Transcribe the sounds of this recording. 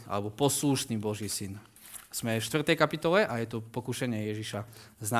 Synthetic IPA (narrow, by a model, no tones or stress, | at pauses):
ʔa̰lɛbɔpɔsluʃniːbɔʒiːsin | z̥mɛfʃt̪ʋr̩t̪ɛjkapit̪ɔlɛʔajɛt̪ɔpɔkuʃɛɲɪɛjɛʒiʃazna